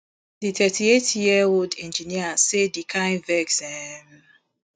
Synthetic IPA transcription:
ditɛtʰietjiəwoldɛ̃nd͡ʒiniasedikʰãɪ̃nvɛksɛm

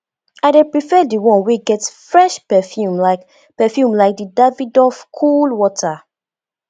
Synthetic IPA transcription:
aɪdepɹifɛdiwɔ̃nweɡɛtfɹɛʃpɛfjumlak | pɛfjumlaɪk̚didavidɔfkʰulwɔtʰa

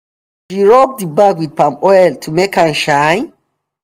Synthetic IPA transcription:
ʃiɹɔp̚dibaɡwid̚pãmɔjltʰumekʰãnʃãɪ̃n

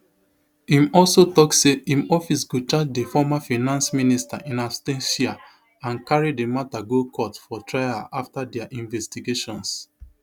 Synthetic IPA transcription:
hĩmɔlsotɔksseĩmɔfis̬ɡut͡ʃad͡ʒdefɔmafanãnsminista̰ʔĩnastɛ̃nʃia | ãnkaɹidemataɡokʰɔtfɔtɹaɪaʔaftadɛaʔĩnvɛstiɡeʃɔ̃ns

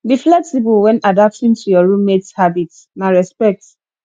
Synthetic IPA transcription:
biflɛksibulwɛ̃nadap̚tĩntʰujɔɹũmekshabit | naɹɛspɛk̚t

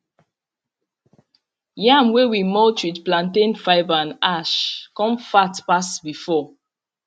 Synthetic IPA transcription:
jãmwewimɔltidplãntẽnfaɪvãnaʃkɔ̃mfatpasbifɔ

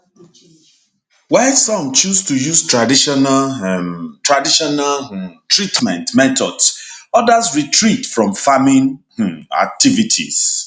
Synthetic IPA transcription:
wɛsɔ̃mt͡ʃustujustɹadiʃɔnal | tɹadiʃɔnaltʰɹitmɛ̃ntmɛtɔdsɔdazɹitʰɹitfɹɔ̃mfamĩnh̩a̰k̚tʰivitʰḭz̥

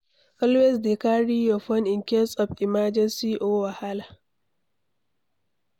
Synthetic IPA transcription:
kɐlwɛsdekaːɽijɔɸɔnʔɪŋkʲɛsʼɔbʔɪmaːd͡ʒɛnsiʔoːwahala

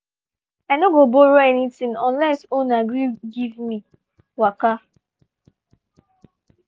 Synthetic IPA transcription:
anoɡoboɾoɛnitĩŋɔ̃nlɛsonaɡɾiɡivmi | waka

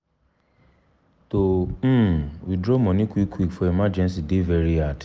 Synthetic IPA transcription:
tom̩widɾɔmɔ̃nĩkwikʰːwikfɔemad͡ʒɛns̬idevɛɾiad

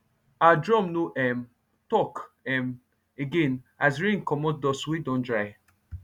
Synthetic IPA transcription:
adɹɔ̃mnoʔɛm | tɔk | ɛm | eɡẽnasɹĩŋkɔmɔt̚dɔswidɔ̃ndɹaɪ

